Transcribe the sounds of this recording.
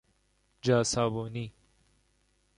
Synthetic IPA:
d͡ʒaːsaːboni

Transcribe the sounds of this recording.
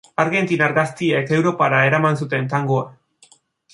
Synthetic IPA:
aɾɣe̞nt̪inaɾɣast̪ieke̞wɾo̞paɾae̞ɾamansut̪e̞nt̪aŋɡoa

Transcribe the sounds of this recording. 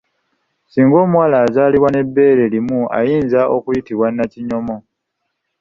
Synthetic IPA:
siːŋɡo̞ːmuwaːlaːzaːliβwane̞bːe̞ːɾe̞limua̰jiːnzaʔo̞kujitiβwanːaciɲo̞mo̞

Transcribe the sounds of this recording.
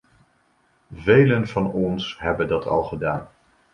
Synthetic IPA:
vejlənvɑnɔnsɦɛbəndɑtʰɑ̰lˠχədaːn

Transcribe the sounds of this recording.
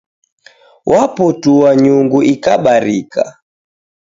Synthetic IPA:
wʔapɔtuwaɲuŋɡuʔikaɓaɾika̰

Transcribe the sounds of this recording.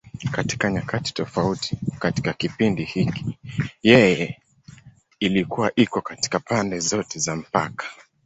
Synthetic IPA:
kati̥kaɲakati̥tɔfautʰi̥kati̥kakipindihiki̥jɛjɛ | ilikuwaʔikɔkati̥kapandɛzɔtɛzam̩pa̰kḁ

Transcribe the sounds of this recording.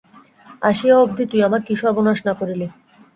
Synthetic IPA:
a̰ʃiaob̚d̪ʱit̪ujamaɾkiʃaɾbonaʃnakoɾile

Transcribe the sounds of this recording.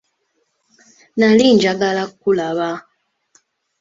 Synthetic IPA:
nalind͡ʒaɡalakːulaβa

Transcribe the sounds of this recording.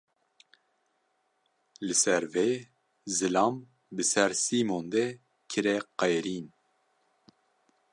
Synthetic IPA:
lɨsɛɾveː | zɨlɑːm | bɨsɛɾsiːmond̪e | kʰɨɾɛqɛjɾiːn

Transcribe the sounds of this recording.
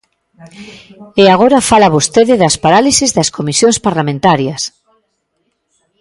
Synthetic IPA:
eaɣ̞oɾafalaβost̪eðɪðɐspaɾalisizðɐskomisjõŋspaɾlamẽnt̪aɾjɐs

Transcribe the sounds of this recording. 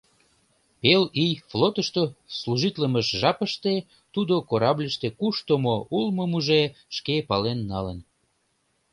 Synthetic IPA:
pelijflot̪əʃt̪osluʒit̪ləməʃʒɑpəʃt̪e | t̪ud̪okoɾɑblʲəʃt̪ekuʃt̪omoʔulməmuʒeʃkepɑlenːɑlən

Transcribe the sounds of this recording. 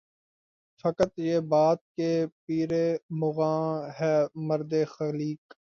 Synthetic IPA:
fɐkət̪jeːbaːt̪̚kepiːɾeːmʊɣãːɦɛːməɾd̪eːxəliːk

